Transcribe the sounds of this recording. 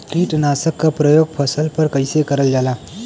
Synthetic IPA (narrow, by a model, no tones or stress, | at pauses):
kiːʈnaːsəkːapɾəjoːɡ̚pʰəsəlpɐɾkəɪsekəɾəld͡ʒaːlaː